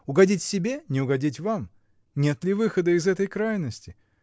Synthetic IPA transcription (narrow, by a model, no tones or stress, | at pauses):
ʊɡɐdʲitʲsʲɪbʲenʲɪʊɡɐdʲitʲvam | nʲe̞t̪lʲɪvɨxəd̪əɪzɛt̪əjkɾajnəsʲtʲɪ